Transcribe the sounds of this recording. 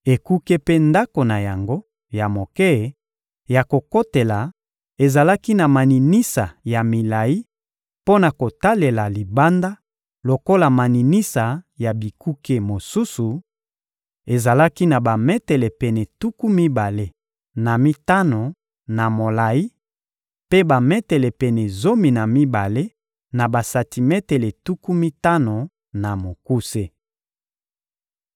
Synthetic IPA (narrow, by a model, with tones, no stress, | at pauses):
e˨ku˦ke˦pe˦nda˦ko˨na˨ja˨ŋɡo˦ | ja˨mo˨ke˦˨ | ja˨ko˨ko˦te˨la˨ | e˨za˨la˦ki˦na˨ma˨ni˨ni˦sa˨ja˨mi˨la˨i˦ | po˦na˨ko˨ta˦le˨la˨li˨ba˦nda˦ | lo˨ko˦la˨ma˨ni˨ni˦sa˨ja˨bi˨ku˦ke˦mo˨su˦su˨ | e˨za˨la˦ki˦na˨ba˨mɛ˦tɛ˨le˨pɛ˨nɛ˨tu˦ku˦mi˦ba˨le˦ | na˨mi˦ta˦no˨ | na˨mo˨la˨i˦ | pe˦ba˨mɛ˦tɛ˨lɛ˨pɛ˨nɛ˨zo˦mi˨na˨mi˦ba˨le˦ | na˨ba˨sa˨ti˨mɛ˦tɛ˨le˨tu˦ku˦mi˦ta˦no˨ | na˨mo˨ku˦se˦